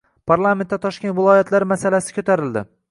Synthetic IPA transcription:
pʰaɾlˠament̪ːat̪ʰɒʃkʲent̪vɪlˠɒjat̪laɾmasalasɪ̥kʰʲɵt̪ʰaɾɪld̪ɪ̰

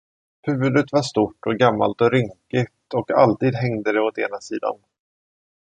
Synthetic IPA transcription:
hʉ̟ːvɵd̪ət̪vaʂt̪uːʈːɔɡamːa̰lt̪ɔɾʏŋkɪt̪ɔka̰lt̪iːd̪ɦɛŋd̪əd̪ɛɔt̪eːnasiːd̪a̰n

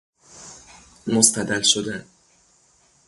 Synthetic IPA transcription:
most̪æd̪ælʃod̪æn

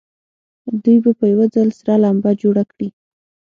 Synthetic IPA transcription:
d̪ujbapəjawad͡zalsɾɑlambad͡ʒoɽakɽi

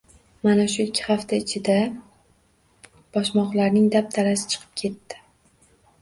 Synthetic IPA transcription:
manaʃʊɪkʲʰːɪ̥haft̪ʰaɪt͡ʃʰɪd̪a | b̥ɒʃmɒqlaɾnɪŋd̪ap̚t̪ʰaɾasɪ̥t͡ʃʰɨ̥qʰɨ̥p̚kʲʰe̞t̪ːɪ̥

